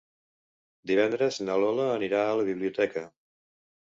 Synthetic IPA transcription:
d̪iβɛnd̪ɾəznəlɔləːniɾaələβiβliut̪ɛkə

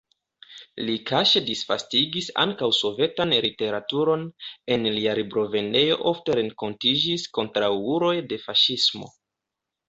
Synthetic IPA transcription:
likaʃedisfastiɡisa̰ŋkawso̞ve̞tanlite̞ɾatuɾo̞ne̞nliaɾibɾo̞ve̞ne̞jo̞̰ʔo̞fte̞ɾe̞ŋko̞ntid͡ʒisko̞ntɾawuɾo̞jde̞faʃismo̞̰

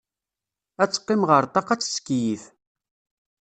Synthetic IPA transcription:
æt͡sːqːɪmʁəɾˤt̪ˤɑqæt͡sːskːjiθ

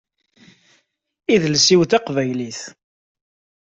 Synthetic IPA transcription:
iðlsiwθɑqvæjliθ

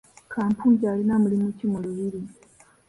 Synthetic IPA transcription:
kʰaːmpʰuːɲɟaːlinamulimucimoɾuβiɾi

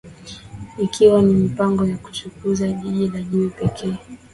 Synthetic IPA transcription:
ikʰiwanimipaŋɡɔjaku̥t͡ʃukuzaʄiʄilaʄuipɛkʰɛː

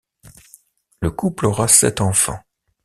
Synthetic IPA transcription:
ləkuplɔʁasɛ̰t̪ɑ̃fɑ̰̃

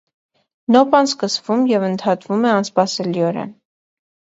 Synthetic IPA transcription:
nɔpɑnskəsvumjɛvənt̪ʰɑt̪vumɛɑnspɑsɛliɔɾɛ̰n

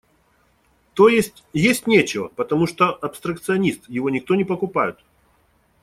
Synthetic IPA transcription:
t̪ojesʲtʲjesʲtʲnʲet͡ɕɪvə̰pət̪ɐmuʂt̪oʔɐpst̪ɾɐk̚t̪sɨɐnʲist̪jɪvo̞nʲɪk̚t̪o̞nʲɪpəkʊpajʊt̪

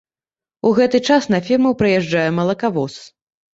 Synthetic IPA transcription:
uɣɛt̪ɨt͡ʂasnɐfʲirmɐwpɾɨjɛʐd͡ʐajɛmɐlˠɐkavɔs

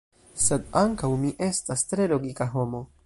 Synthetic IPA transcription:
se̞d̪aŋkawmiʔe̞stastɾe̞lo̞ɡikaɦo̞mo̞

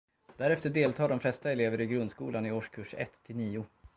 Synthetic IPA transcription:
d̪̥æɾɛft̪əɖeːlt̪ʰɑːɖɔmflɛst̪aɛleːvəɾɪɡɾɵnd̪skuːlanɪoːʂkʰɵʂɛ̰t̪ʰːɪlniːʊ

